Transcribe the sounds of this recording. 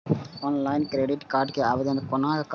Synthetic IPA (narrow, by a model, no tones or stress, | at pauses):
oːnlaɪnkɪɾeɖɪʈkaːɾʈkɯɐʋɐðɐnkɔnaːɣɐkː